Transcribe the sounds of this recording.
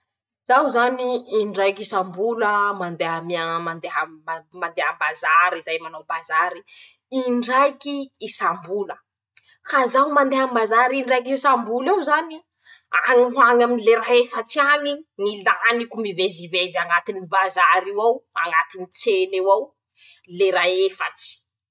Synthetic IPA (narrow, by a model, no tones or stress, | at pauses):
z̥awzaniːɳɖ͡ʐajkisambuləmand̪eɦamiamand̪eɦamand̪eɦəmbazaɾizajmanawbazaɾi | iɳɖ͡ʐajkiːsambulə | kazawmand̪eɦambazaɾiɳɖ͡ʐajk̬isambulawzani | a̰ŋiɦwaŋaminileɾaefat͡siaɲiŋilanikʲumivezivezaŋɡat̪inibazaɾiwawa̰ŋɡat̪init͡senewaw | leɾaefa̰t͡si̥